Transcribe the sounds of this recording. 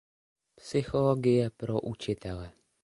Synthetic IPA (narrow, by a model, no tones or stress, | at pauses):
psɪxoloɡɪjɛpɾoʔut͡ʃɪt̪ɛlɛ